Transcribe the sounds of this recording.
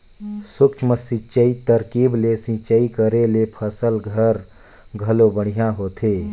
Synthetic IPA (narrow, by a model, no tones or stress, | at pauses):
sʊkʰməsit͡ʃːəit̪əɾkiːblesĩt͡ʃəikəɾelepʰəsəlɡʱəɾ | ɡʱəlobəɽ̤̃ijãɦoːt̪ʰeː